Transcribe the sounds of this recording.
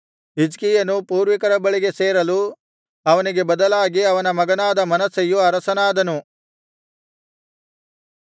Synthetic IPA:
id͡ʒkijɐnupuːɾʋikɐɾɐbɐɭiɡe̞seːɾɐlu | ɐʋɐniɡebɐd̪ɐlaːɡiɐʋɐnɐmɐɡɐnaːd̪ɐmɐnɐsejuɐɾɐsɐnaːd̪ɐnu

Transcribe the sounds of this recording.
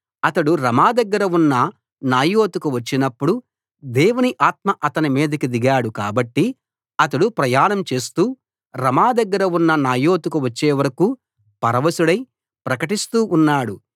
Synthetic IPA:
ɐt̪ɐɽuɾɐmaːd̪ɐɡːɐɾɐunːɐ | naːjo̞ːt̪ukuʋɐt͡ʃːinɐpːuɽu | d̪ɛːwuniʔaːt̪̚mɐʔɐt̪ɐnimiːd̪ɐkid̪iɡaːɽuka̰ːbɐʈːi | ɐt̪ɐɽupɾɐjaːnɐmt͡ʃe̞ːst̪uː | ɾɐmaːd̪ɐɡːɐɾɐunːɐnaːjo̞ːt̪ukuʋɐt͡ʃːeːʋɐɾɐkuː | pɐɾɐʋɐsuɽɐj | pɾɐkɐʈist̪uːʔunːaːɽu

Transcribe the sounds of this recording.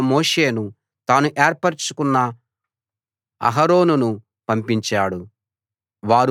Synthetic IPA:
moːʂe̞ːnu | t̪aːnuʔeːɾpɐɾt͡ʃukunːɐ | ɐ̰ɦɐɾo̞ːnunu | pɐmpiɲt͡ʃaːɽu | ʋaːɾ

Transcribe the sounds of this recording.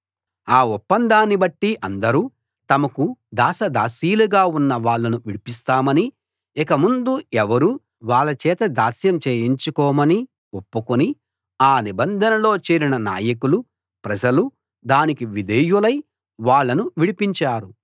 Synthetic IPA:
aːɔpːɐnd̪aːnːibɐʈːiʔɐnd̪ɐɾuː | t̪ɐmɐkud̪aːsɐd̪aːsiːluɡaːunːɐʋaːɭːɐnuʋiɽipis̬t̪aːmɐni | ikɐmund̪uɛʋɐɾu | ʋaːɭɐt͡ʃɛːt̪ɐd̪aːsjɐmt͡ʃeːjiɲt͡ʃukɔːmɐni | opːukuni | aːnibɐnd̪ʱɐnɐlo̞ːt͡ʃeːɾinɐna̰ːjɐkulu | pɾɐd͡ʒɐlu | d̪aːnikiʋid̪ʱejulɐj | ʋaːɭːɐnuʋiɽipiɲt͡ʃaːɾu

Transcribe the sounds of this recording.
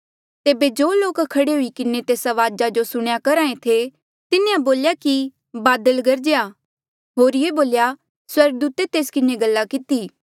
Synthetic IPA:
t̪eːbed͡ʒoːloːkkʰɐɽeɦʊikɪnet̪eːsaʋaːd͡ʒad͡ʒosʊɽ̃jakɐɾaːẽt̪ʰe | t̪ɪneãboːljaki | baːd̪əlɡɐɾd͡ʒeja | ɦoːɾjeboːlja | swɐɾɡəd̪uːt̪et̪eːskɪneɡɐlːakɪt̪iː

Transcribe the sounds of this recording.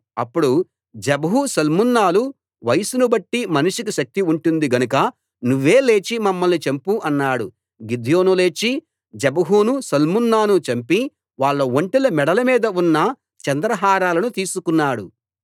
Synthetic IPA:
ɐ̰pːuɽu | d͡ʒɐbɐɦusɐlmunːaːlu | ʋɐjsunubɐʈːimɐnuʂik̬uʃɐk̚t̪iuɳʈund̪iɡɐnukɐ | nuʋːe̞ːle̞ːt͡ʃimɐmːɐlnit͡ʃempuʔɐnːaːɽu | ɡid̪ʱjo̞ːnule̞ːt͡ʃi | d͡ʒɐbɐɦuːnusɐlmunːaːnut͡ʃɐmpi | ʋaːɭːɐʋoɳʈilɐmɛɽɐlɐmiːd̪ɐunːɐ | t͡ʃɐnd̪ɾɐɦaːɾaːlɐnut̪iːsukunːaːɽu

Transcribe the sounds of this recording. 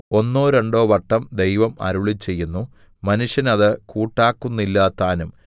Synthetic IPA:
o̞nːoːɾe̞ɳɖo̞ːʋɐʈːɐmd̪e̞jʋɐmɐ̰ɾuɭit͡ɕːe̞jːunːu | mɐnuʂjɐnɐðɨkuːʈːaːkːunːilːaːt̪ːaːnum

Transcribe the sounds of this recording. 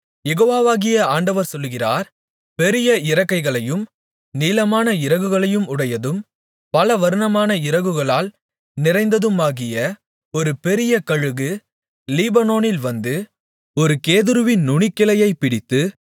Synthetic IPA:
jɛɣoːʋaːʋaːɣɪjɐaːɳɖɐʋɐɾsɔlːɣɪra̰ːɾ | pɛɾɪjɐɪɾɐkːɐɪɣɐɭɐjɯm | niːlɐmaːnɐɪɾɐɣɯɣɐɭɐjɯmʊɽɐjɐðɯm | pɐlɐʋɐɾɯnɐmaːnɐɪɾɐɣɯɣɐɭaːl | nɪɾɐɪnd̪ɐðɯmaːɣɪjɐ | ɔɾɯpɛɾɪjɐkɐɻɯɣɯ | liːbɐnoːnɪlʋɐnd̪ɯ | ɔɾɯkeːðɯɾɯʋɪnːʊɳɪkːɪlɐjɐɪpɪɽɪt̪ːɯ

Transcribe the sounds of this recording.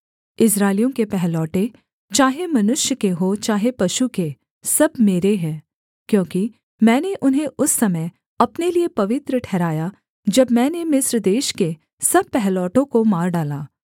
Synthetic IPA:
ɪsɾaːɪlijõkepɛɦlɔːʈe | t͡ʃaːɦemɐnʊʃjəkeɦot͡ʃaːɦepɐʃuke | sɐbmeːɾeɦɛ̃ː | kjõːki | mɛ̃ːneʔʊnɦẽʊsːɐməj | ɐpneliepɐʋɪt̪ɾəʈʰɛːɾaːja | d͡ʒɐbmɛ̃ːnemɪsɾd̪eːʃke | sɐb̚pɛɦlɔːʈõkomaːɾɖaːlaː

